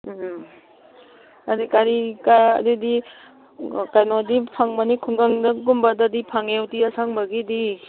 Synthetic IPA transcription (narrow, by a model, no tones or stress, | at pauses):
adikaɾika̰didi | kajnɔdipʰaŋmanikʰuŋɡaŋdaɡumbadadipʰaŋewtiasaŋbaɡidi